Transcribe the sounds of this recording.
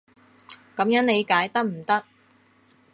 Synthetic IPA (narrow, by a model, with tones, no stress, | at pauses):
kɐ˨˥mjɐ˨˥ŋne˨˧jkaː˨˧˥jt̪ɐ˥k̚m̩˨˩t̪ɐ˥k̚